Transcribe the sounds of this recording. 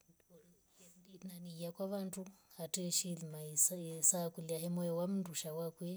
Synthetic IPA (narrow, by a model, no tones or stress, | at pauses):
naniiakwaβantuhatɛʃilimaisaisakuliaɦɛmɔjɔwam̩nduʃawakwɛ